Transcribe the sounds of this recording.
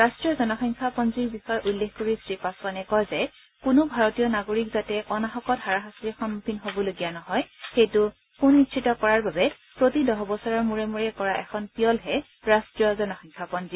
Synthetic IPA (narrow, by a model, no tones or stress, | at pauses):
ɹastɹijɔzɔnɔxɔŋkʰapɔnziɹbixɔjɔʔulːexkoɹisɹipaswanɛkɔjzɛ | kʊnʊbʱaɹɔtijɔnaɡoɹikzatɛʔɔnaxɔkɔtɦaɹaɦasiɛxɔnmupʰinɦobɔloɡijanɔɦɔjxejtʊ | kunːitt͡ʃʰitɔkɔɹaɹbabɛ | pɹotidɔɦɔbɔsaɹaɹmuɹɛmuɹɛkɔɹaʔɛkʰɔnpijɔlɦɛ | ɹastɹijɔzɔnɔxɔŋkʰapɔnzi